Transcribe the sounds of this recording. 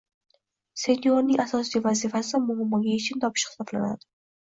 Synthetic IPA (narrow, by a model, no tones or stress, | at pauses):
se̞t̪ioɾnɪŋasɒsijvazifasɪmʊhɪmːɒŋɡʲaet͡ʃʰɪnt̪ʰɒpʰɪ̥ʃχɪ̥sɒbla̰na̰d̪ɪ̥